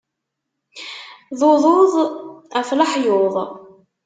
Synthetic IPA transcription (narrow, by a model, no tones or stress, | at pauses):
ðˤoðˤoðˤæfləħjoðˤ